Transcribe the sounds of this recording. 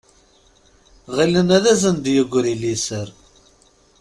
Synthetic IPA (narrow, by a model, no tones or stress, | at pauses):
ʁilənæðæzənd̪jəɡʷɾilisəɾ